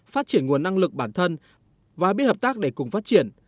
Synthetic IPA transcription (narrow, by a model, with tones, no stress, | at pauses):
faː˦˥t̚t͡ɕi˧˩ənŋu˨˩ənːa˧ŋlɨ˨˩k̚ɓaː˧˩nt̪ʰə˧n | vaː˨˩ɓi˦˥ət̚həː˨˩p̚t̪aː˦˥k̚ɗe˧˩kʊ˨˩ŋ͡mfaː˦˥t̚t͡ɕi˧˩ən